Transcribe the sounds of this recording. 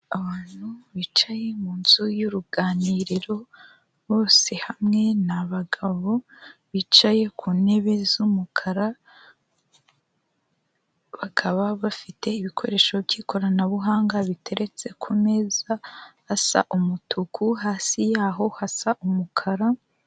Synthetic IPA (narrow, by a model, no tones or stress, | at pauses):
aβaːn̥huβiːt͡ʃaje̞muːnz̥ujuɾuɡaːniːɾiɾo̞ | βo̞ːse̞hamŋe̞naβaɡaβo̞βit͡ʃaje̞kʰuːne̞βe̞zumukʰaɾa | βakʰaβaβafite̞iβikʰo̞̰ɾe̞ːʃo̞bɟiːkʰo̞ɾanaβuɦaːŋɡaβitʰe̞ɾʔe̞t͡se̞kʰume̞zahasa̰ʔumutʰukʰuɦaːsijaːɦo̞hasaʔumukʰaɾa